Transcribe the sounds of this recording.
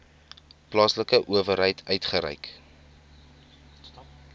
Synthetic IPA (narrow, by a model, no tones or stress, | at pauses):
plɑːsləkəʔuəvəɾɦəjtʰœɥtχəɾɛ̰jk